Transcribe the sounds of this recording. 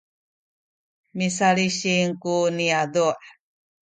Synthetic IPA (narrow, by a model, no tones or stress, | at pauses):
misaliɕiŋkuniadoʔ